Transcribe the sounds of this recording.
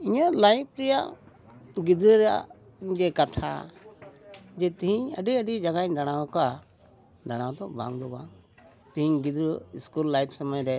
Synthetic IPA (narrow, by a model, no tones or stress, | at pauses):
iɲalajp̚ʰɾɛjaʔ | ɡid̪ɾəɾɛja̰ʔ | d͡ʒɛkat̪ʰa̰ | d͡ʒɛt̪ɛɦiɲə̰ɖiəɖid͡ʒaɡaɲd̪aɽ̃awka | d̪aɽ̃awt̪ɔbʱa̰ŋd̪ɔbaŋ | t̪iɦiɲɡid̪ɾəiskulːajpʰsaməjɾɛ